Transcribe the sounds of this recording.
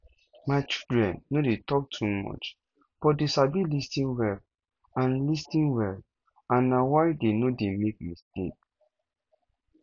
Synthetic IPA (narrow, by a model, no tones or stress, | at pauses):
maɪt͡ʃildɹɛ̃nːodetɔk̚tʰumɔ̰t͡ʃ | b̥ɔdeʃabilistĩnwɛb̚ | ãnlistĩnwɛb | ãnːawaɪdenodemek̚mistḛk